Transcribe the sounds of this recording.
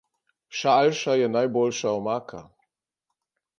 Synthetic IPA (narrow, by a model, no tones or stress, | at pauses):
ʃaːlʃajɛnajboːlʃaɔmaːkʰa̰